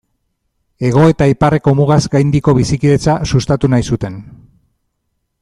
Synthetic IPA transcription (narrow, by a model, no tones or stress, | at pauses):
e̞ɣ̞o̞e̞t̪aipare̞ko̞muɣazɡajnd̪iko̞βisikiðet͡sasust̪at̪unajsut̪e̞n